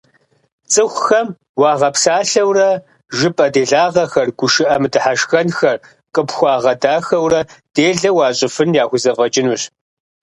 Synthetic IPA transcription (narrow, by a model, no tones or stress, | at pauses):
t͡sʼɨxʷxɐm | wɑːʁɐpsaːɬɐwrɐ | ʒɨpʼɐdeːɮaːʁɐxɐrɡ̥ʷʊʃɪʔɐmdɨħaʃxɐnxɐr | qʼəpxʷɑːʁɐdaːxɐwrɐd̥eːɮɐwɑːɕʼɪfɨnjaːxʷʊzɐvɐt͡ʃʼɪnuɕ